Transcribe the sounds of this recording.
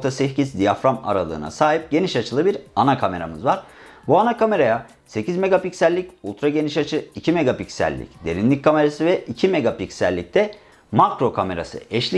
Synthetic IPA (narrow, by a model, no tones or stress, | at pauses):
t̪ʰasɛfcisd̪ijafɾama̰ɾalˠɯ̰ːna̰saːɦip̚ɟe̞niʃat͡ʃʰɯlˠɯbiɾanakʰame̞ɾa̰mɯzvaɾ̥ | buanakame̞ɾaja | se̞cʰizme̞ɡapicsælʲːiculˠt̪ɾaɟe̞niʃat͡ʃʰɯicʰime̞ɡapicsæ̰lʲːḭcd̪e̞ɾinlʲic̚kʰːame̞ɾasɯvɛʔicʰime̞ɡapicsælʲːic̚t̪ʰɛ | makɾo̞kʰame̞ɾa̰sɯ̰ɛʃlʲi